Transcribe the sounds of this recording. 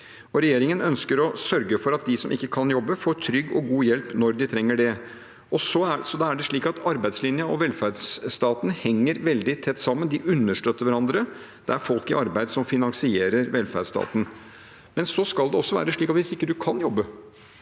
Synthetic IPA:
ɔɾɛjeːɾɪŋənœnskəɾɔsœɾɡəfɔɾɑt̪̚d̪ɪsɔmʔɪkːəkʰɑnjɔbːəfoːʈʰɾʏɡːɔ̰ɡuːjɛlpnɔɾd̪ɪt̪ʰɾɛŋːəɖɛ | ɔsɔæsɔd̪ɑæɖɛʂɭiːkɑt̪ʰɑɾbæɪslɪnjəɔʋɛlfæɖsst̪ɑːt̪n̩hɛŋːəɾʋɛld̪ɪt̪ʰɛt̪ːsɑmːənd̪ɪʔʉnːəʂʈøːt̪ːəɾʋæɾɑnd̪ɾə | d̪̥ɛæɾfɔlkɪɑɾbæɪd̪sɔmfɪnɑŋsɪeːɾəɾʋɛlfæ̰ɖst̪ɑ̰ːt̪n̩ | mɛnsɔskɑld̪ɛɔsːɔʋæ̰ːɾəʂɭiːkɑt̪ʋɪsɪkːəd̪ʉkʰɑnjɔbːə

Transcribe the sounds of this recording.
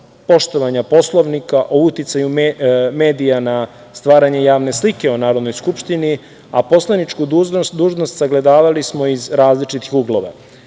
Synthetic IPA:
po̞ʃt̪oʋaɲapo̞slˠo̞ʋnikaʔout̪it̪sajumme̞ːd̪ijana | st̪ʋaːɾaɲe̞jaːʋne̞slike̞onaːɾo̞d̪no̞jskupʃt̪ini | apo̞slˠanit͡ʃkud̪uːʒnost̪saɡle̞d̪aːʋalismo̞izɾaːzlit͡ʃit̪ixuɡlˠoʋa̰

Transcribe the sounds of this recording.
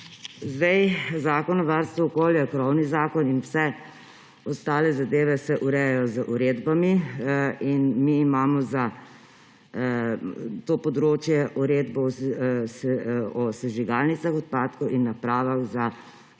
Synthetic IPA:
zd̪ɛjzaːkɔnɔʋaɾst̪ʋɔɔkoːljakɾɔwnizaːkɔninwsɛ | ɔst̪aːlɛzad̪eːʋɛsɛʔuɾɛjajɔzəʔuɾed̪bami | inmiːmaːmɔza | t̪oːpɔd̪ɾoːt͡ʃjɛʔuɾeːd̪bɔsɔsɛʒiɡaːlnit̪saxɔt̪̚paːt̪kɔʔinːapɾaːʋaɣza

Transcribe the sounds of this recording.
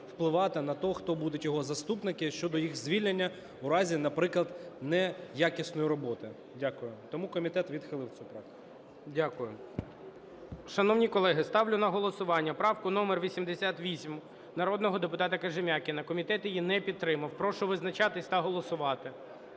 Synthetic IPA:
wplˠɪʋɑt̪ɪnɐt̪ɔxt̪ɔbud̪ʊtʲjɔɦɔzɐst̪upnɪkɪʃt͡ʃɔd̪ɔjixzʲʋʲilʲnenʲːɐ | ʊɾɑzʲinɐpɾɪklˠɐd̪nɛjakʲisnɔjʊɾɔbɔt̪ɪ | dʲakʊjʊt̪ɔmukɔmʲit̪ɛt̪ʋʲid̪xɪlˠɪwt͡sʲupɾɑk̚t̪ɪ̥kkʊʊʊdʲakʊjʊ | ʃɐnɔwnʲikɔlˠɛɦɪst̪ɑwlʲʊnɐɦɔlˠɔsʊʋɑnʲːɐpɾɑwkʊnɔmerʋʲisʲimd̪esʲat̪ʋʲisʲm | nɐɾɔd̪nɔɦɔd̪epʊt̪ɑt̪ɐkɐʒɪmʲakʲɪnɐkɔmʲit̪ɛt̪jijinɛpʲit̪̚t̪ːɾɪmɐwpɾɔʃɔʋɪznɐt͡ʃɑt̪ɪsʲt̪ɐɦɔlˠɔsʊʋɑt̪ɪ

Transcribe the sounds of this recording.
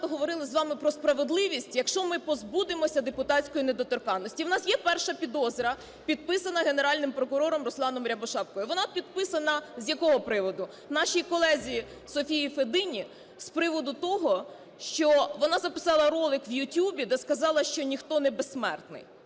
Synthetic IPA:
t̪ɔɦɔʋɔɾɪlˠɪzʋɑmɪpɾɔspɾɐʋed̪lˠɪʋʲisʲtʲjɐkʃt͡ʃɔmɪpɔzbud̪ɪmɔsʲɐd̪epʊt̪ɑt͡sʲkɔjined̪ɔt̪ɔrkɑnːɔsʲtʲiwnɑsjɛpɛrʃɐpʲid̪ɔzʲɾɐ | pʲid̪̚pɪsɐnɐɦe̞neɾɑlʲnɪmpɾɔkʊɾɔɾɔmrɔslˠɑnɔmɾʲɐbɔʃɑp̚kɔjɪʋɔnɑpʲid̪pɪsɐnɐzʲjɐkɔɦɔpɾɪʋɔd̪ʊ | nɑʃijkɔlˠɛzʲiji | sɔfʲijifed̪ɪnʲi | spɾɪʋɔd̪ʊt̪ɔɦɔ | ʃt͡ʃɔʋɔnɑzɐpɪ̥sɑlˠɐɾɔlˠɪkʋjʊtʲjubʲid̪ɛskɐzɑlˠɐʃt͡ʃɔnʲixt̪ɔnɛbesːmɛ̰rt̪nɪ̰j

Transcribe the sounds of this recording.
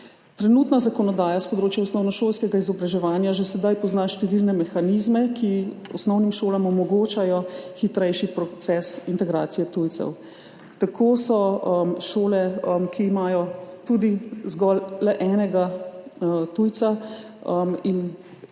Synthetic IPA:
t̪ɾɛnuːt̪nazakɔnɔd̪aːjaspɔd̪ɾoːt͡ʃjɛɔsnɔwnɔʃoːlskɛɡaizɔbɾaʒɛʋaːnjaʒɛsɛd̪ajpɔznaʃt̪ɛʋilnɛmɛxanizmɛkiɔ̰snɔwnimʃoːlamɔmɔɡoːt͡ʃajɔxit̪ɾɛjʃipɾɔt̪sɛsint̪ɛɡɾaːt̪sijɛt̪ujt̪sɛ̰w | t̪akʰoːsɔmʃoːlɛmkʰiːmajɔt̪ud̪izɡɔlːɛʔɛːnɛɡa | t̪ujt̪sa | əmin

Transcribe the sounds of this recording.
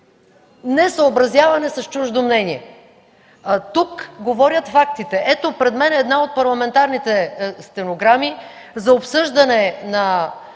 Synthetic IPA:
nɛsɐobɾɐzjavɐnɛsɐst͡ʃuʒd̪omnɛniɛ | t̪ukɡovɔɾjət̪fakt̪it̪ɛʔɛt̪opɾɛd̪mɛnɛd̪naot̪̚pɐɾlˠɐmɛnt̪aɾnit̪ɛst̪ɛnoɡɾami | zɐopsɤʒd̪ɐnɛnɐ

